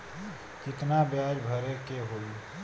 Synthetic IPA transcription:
kɪt̪nabjad͡ʒbʱəɾekeɦol

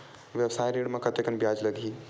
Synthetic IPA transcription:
ʋjɐwsaːjɾiɽmãkɐt̪ekənbjaːd͡ʒlɐɡʱiː

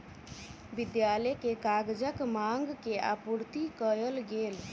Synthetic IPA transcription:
bɪd̪jaːlɛkekaɡd͡ʒəkmãŋɡkea̰puɾt̪ikəjəlɡeːl

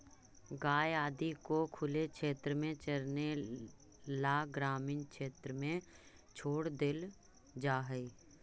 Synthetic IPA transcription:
ɡaːjaːd̪ikokʰʊlekʃeːt̪ɾəmẽt͡ʃəɾne | laːɡɾaːmɪːnkʃeːt̪ɾəmẽ | t͡ʃʰoːɽd̪ɪl | d͡ʒaːɦəi

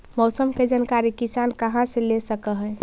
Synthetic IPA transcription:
mɔsəmked͡ʒənkaɾikisankəɦãselesəkəɦəj

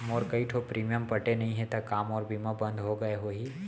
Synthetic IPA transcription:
moːɾkəiʈʰopɾiːmijəmpɐʈenɐɦĩɦɛ̃t̪ɐkaːmɔːɾbʱimabɐ̃nd̪ʱɦoɡɐeɦoːɦiː

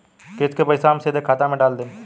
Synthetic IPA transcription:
keskepɐɪsamsed̪ekʰaːt̪ãmẽɖaːld̪eː

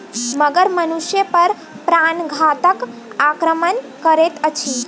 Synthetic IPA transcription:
məɡəɾmənusjəpəɾ | pɾanɡʱat̪əkakɾəmən | kəɾet̪ət͡ʃʰi

